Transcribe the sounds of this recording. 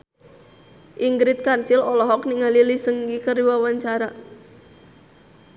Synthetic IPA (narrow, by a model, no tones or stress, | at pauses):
ʔiŋɡɾɪt̪̚kansilɔlɔɦɔkniŋalilisəŋɡikəriwawaɲt͡ʃaɾa